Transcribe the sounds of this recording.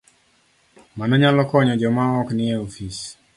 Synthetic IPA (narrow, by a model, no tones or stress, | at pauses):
manɔɲalɔkɔɲɔd͡ʒɔmaɔknɪɛofis